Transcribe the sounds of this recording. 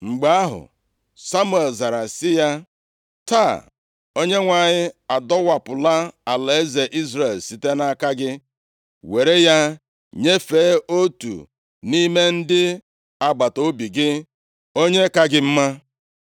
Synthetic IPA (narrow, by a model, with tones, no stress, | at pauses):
ŋ͡m̩˨ɡ͡ba˦a˦ɦʊ̰˨ | sa˦mu˦˨e˨lza˨ɾa˨sɪ˦ja˦ | ta˦˨ | o˦ɲe˦ŋʷa˨ɲɪ˦a˨dɔ˦wa˨pʊ˨la˦a˨le˨e˦ze˨ʔi˦zɾe˨lsi˨te˦na˦ka˦ɡɪ˦ | we˨ɾe˦ja˦ | ɲe˦fe˨˦o˦tṵ˨ | ni˦me˦n̩˦dɪ˦ | a˨ɡ͡ba˨to˦bi˨ɡɪ˦ | o˦ɲe˦ka˦ɡɪ˦m̩˦ma˦